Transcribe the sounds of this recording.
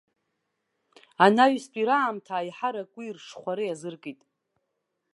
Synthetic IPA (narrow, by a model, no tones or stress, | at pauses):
anaɥspʼiɾaːmtʰaːjħaɾakʼirʂχʷaɾɨjazɨrkʼitʼ